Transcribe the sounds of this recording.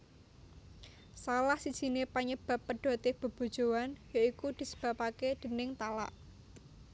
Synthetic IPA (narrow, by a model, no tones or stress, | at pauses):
salahsid̥ʒ̥i̤nepaɲəb̥a̤pːəɖ̥o̤t̪ɪhb̥ə̤b̥o̤d̥ʒ̥o̤wanjaikud̪̥i̤sə̥b̥ä̤paked̪̥ə̤nɪŋt̪ala̰ʔ